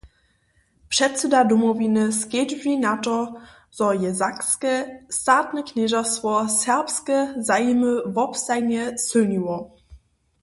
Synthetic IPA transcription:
pʂɛtt͡sədadumɔvinəskedvinatɔ | z̥ɔjɛzakskəstaːtnəknɛʒastvɔsɛʁpskəzajiməvɔpstaɪnɛsøniwɔ

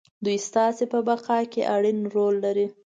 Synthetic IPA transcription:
d̪ujst̪ɑsepəbaqɑkḛʔaɽinɾolːaɾi

